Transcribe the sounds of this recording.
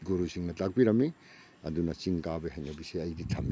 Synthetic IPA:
ɡuɾusiŋnɐtak̚biɾɐmi | ɐdunɐt͡ʃiŋkabeɦɐjnɐbiseɐjditʰɐm

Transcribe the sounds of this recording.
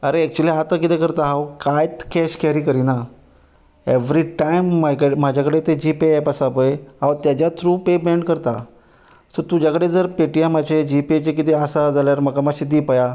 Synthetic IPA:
əɾeɛk̚t͡ɕualiat̪əkit̪ekəɾt̪aɦawkajt̪kɛɕkɛɾiːkəɾina | eʋɾiʈajmːakəɽemad͡ʑʱakəɽet̪ed͡ʑipeɛpasapəjɦawt̪jat͡ɕjat̪ʰɾupebɛ̃ɳɖkəɾt̪a | sot̪ud͡ʑakəɽed͡zəɾpeʈijamaɕed͡ʑipet͡ɕek̬it̪easad͡zaljaɾməɡamaɕid̪ipaja

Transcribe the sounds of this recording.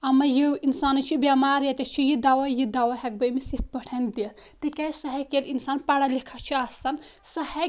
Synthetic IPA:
ɐmɐjiinsaːnɐt͡ʃʰibjaːmaːɾjɐt̪ʲɐt͡ʃʰijid̪awɐjid̪awɐɦɛk̚bɐmisit̪̚bɐʈʰɐnd̪it̪ɨkɐsɐɦɐkelinsaːnpaɽɐlikʰɐt͡ʃʰiasɐnsɐhɐ

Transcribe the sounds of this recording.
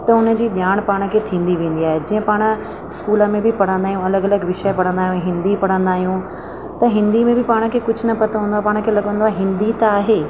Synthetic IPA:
t̪ɐʊnə̆d͡ʑiːɗjaːɽ̃paːɽ̃̆kʰeːt̪ʰĩːn̆d̪iʋẽːn̆d̪iaːɦed͡ʑiːə̃paːɽ̃ə̆ | ɪskuːləmẽbɪpɐɽ̤ə̃nd̪aːɦijũɐləɡɐləɡʋɪʃəpɐɽə̃nd̪aːɦjũɦɪ̃nd̪ipɐɽ̤ə̃nd̪aːɦijũ | t̪ɐɦɪ̃nd̪imẽbɪpaːɽ̃ə̆kʰeːkʊd͡ʑʱʊ̆nɐpɐt̪ʰãɦə̃ːnd̪aːpaːɽ̃kʰeːlɐɠʋə̃nd̪oaːɦɪ̃nd̪it̪ɐaːɦeː

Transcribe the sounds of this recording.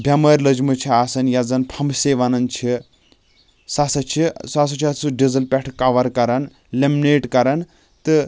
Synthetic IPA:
bʱʲɐmɐɾʲlɐd͡ʒmɨt͡ʃʰiaːsɐnjɐd͡zɐnpʰɐmseʋɐnɐnt͡ʃʰi | sasɐt͡ʃʰisasɐt͡ʃʰɐsɨɖizɐlpʲeʈʰkaʋɐɾkɐɾɐn | lemineːʈkɐɾɐn | t̪ɨ

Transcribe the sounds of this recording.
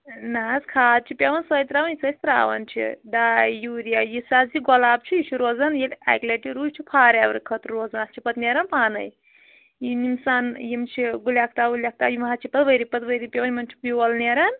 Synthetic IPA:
naːskʰaːt̪̚t͡ʃʰipʲeʋɐnsəjt̪ɾaːʋɐnjisɐsʲt̪ɾa̰ːʋɐ̰nt͡ʃʰḭɖaːjjuɾijajisaːziɡɔlaːb̚t͡ʃʰijit͡ʃʰiɾoːzɐnjelʲa̰jkleʈiɾuːt͡ʃʰipʰaːɾaːʋɾkʰɐt̪ɾɾoːznast͡ʃʰipɐt̪neːɾɐnpaːnɐ̰j | jinimsaːnjimt͡ʃʰiɡuljaːk̚ʰt̪aːɡuljak̚t̪aːjimɦaːt͡ʃʰipɐt̪ʋɐjɾipɐt̪ʋɐjɾipʲeʋɐnʲmɐnt͡ʃʰi̥piʋɐlneːɾɐn

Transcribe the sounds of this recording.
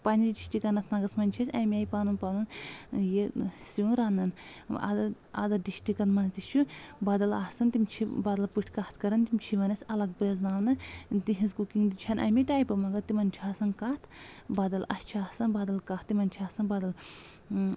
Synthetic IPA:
panʲid̪ʲiɖisʈikɐnɐt̪ʰnɐɡɐsmɐnʲt͡ʃʰisʲɐjmʲaːjpaːnunpanunjesiunɾaːnːɐna̰d̪ɐ | a̰d̪ɐɖisʈikɐnmɐnt̪it͡ʃʰubad̪ɐlaːsɐnt̪imt͡ʃʰibaːd̪ɐlpɨʈʰkaːt̪̚ʰkɐɾɐnt̪imt͡ʃʰiʋɐnɐsʲɐlɐɡ̚pɾeznaːmnɨt̪iɦizkukiŋd̪it͡ʃʰɐnʔɐ̰miʈaːjpɐmɐɡɐt̪imɐnt͡ʃʰiaːsɐnkaːt̪ʰbaːd̪ɐlɐ̰st͡ʃʰiaːsɐnbaːd̪ɐlkaːt̪t̪imɐnʲt͡ʃʰaːsɐnbaːd̪ɐl

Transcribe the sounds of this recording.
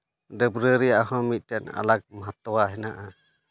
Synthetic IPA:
dəbɾəɾɛjaʔɦɔ̃mit̪̚ˀtɛna̰lak̚maɦat̪ɔwaɦɛnaʔa

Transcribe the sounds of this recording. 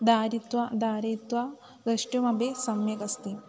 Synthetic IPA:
d̪aːɾit̪ʋɐd̪aːɾɐːt̪ʋa | ɡ̪ɐʂʈjɐmɐbʱesɐmjɐkɐst̪i

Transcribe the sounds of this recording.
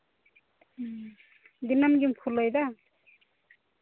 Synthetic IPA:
d̪inamɡimpʰulːʌjd̪a

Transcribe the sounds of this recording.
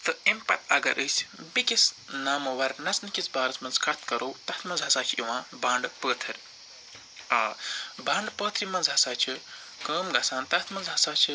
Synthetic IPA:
t̪ɨempɐ̰t̪ɐɡɐ̰ɾʔɨːsbikis | naːmɐwɐɾnɐt͡snɨkʲisbaːɾɐt͡smɐnzkɐt̪ʰkɐɾoːwt̪ɐt̪ʰmɐnzɦɐsaːt͡ʃʰiwãːbãːɳɖpəːt̪ʰɐɾʲ | aːbãːɳɖpəːt̪ʰɾimɐnzɦɐsaːt͡ʃʰi | kɐːmɡɐsãːnt̪ɐt̪ʰmɐnzɦɐsaːt͡ʃʰi

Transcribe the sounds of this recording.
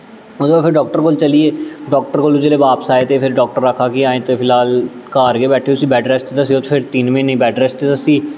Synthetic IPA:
ot̪ːpʰɪɾɖɔːk̚ʈəɾkoːlt͡ʃəlieːɖɔːk̚ʈəɾkoːlud͡ʒeːleːbaːpsaːet̪epʰɪɾɖɔːk̚ʈəɾːəkʰaːkiaːẽːt̪epʰɪlɦaːl | kaːɾɡeːbɛːʈʰeːʊsiːbɛːɖɾɛːst̪et̪əsioːt̪ːpʰɪɾt̪iːnmẽːnəĩːbɛːɖɾɛːst̪et̪əsiː

